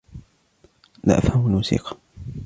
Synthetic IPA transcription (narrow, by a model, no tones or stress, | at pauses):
la̰ːʔafhamlmuːsḭːqɑ̥